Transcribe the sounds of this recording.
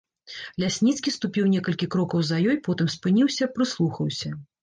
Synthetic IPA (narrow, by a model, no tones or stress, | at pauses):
lʲasʲnʲit̪skʲist̪upʲiwnʲɛkɐlʲkʲikɾɔkɐwzɐjɔjpɔt̪ɨmspɨnʲiwsʲɐpɾɨslˠuxɐwsʲɐ